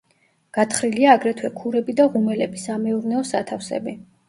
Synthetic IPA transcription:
ɡ̥at̪ʰχɾiliaːɡɾɛt̪ʰwɛkʰuɾɛbid̪aʁumɛlɛbisamɛuɾnɛɔsat̪ʰafsɛ̰bi

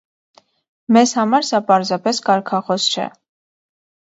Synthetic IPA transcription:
mɛzhɑmɑɾsɑpɑɾzɑpɛskɑɾkʰɑχɔst͡ʃʰɛ̰

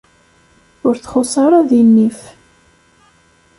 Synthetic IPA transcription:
ʊɾθχʊsˤɑɾˤaðinːif

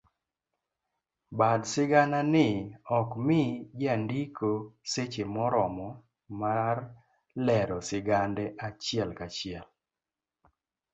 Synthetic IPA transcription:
badsɪɡananɪɔkmɪɡandikoset͡ʃemɔɾɔmɔ | mar | lɛɾɔsɪɡandɛʔat͡ʃɪɛlkat͡ʃɪɛl

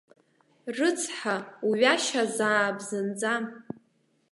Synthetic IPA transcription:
rɨt͡sʰħauɥaʃazaːbzɨnd͡zam

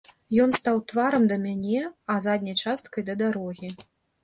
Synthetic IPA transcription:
jɔnst̪awt̪vaɾɐmd̪ɐmʲanʲɛɐzad̪ʲnʲɐjt͡ʂast̪̚kɐjd̪ɐd̪aɾɔɣʲi

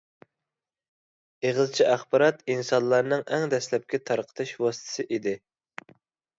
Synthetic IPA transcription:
eʁlt͡ʃʰiʔæχbɑɾɑt̪insɑnlːˠɑɾnɨŋʔɛŋd̪ɛslɛp̚kʲɛt̪ʰɑɾqʰə̥t̪ʰɨʃwɑsɨ̥t̪ʰɨ̥sɨʔid̪ɪ

